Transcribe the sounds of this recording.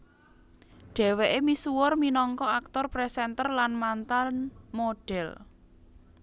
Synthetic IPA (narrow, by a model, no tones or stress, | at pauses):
ɖ̥ɛ̤weʔemisuwʊrminɔŋkɔak̚t̪ɔrpɾɛsɛnt̪ərlanmant̪anmoɖ̥ɛ̤l